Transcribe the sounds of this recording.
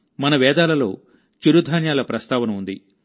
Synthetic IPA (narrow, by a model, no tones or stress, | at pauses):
mɐnɐʋɛːd̪aːlɐlo̞̰ː | t͡ʃiɾud̪ʱaːnjaːlɐpɾɐst̪ʰaːʋɐnɐund̪i